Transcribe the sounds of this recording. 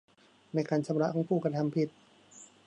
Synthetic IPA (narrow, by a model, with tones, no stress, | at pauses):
na˧˥jkaː˧nt͡ɕʰa˧˦mɾa˦˧˥kʰɔː˧˥ŋpʰuː˥˩kɾa˧t̪ʰa˧mpʰi˧˩t̪̚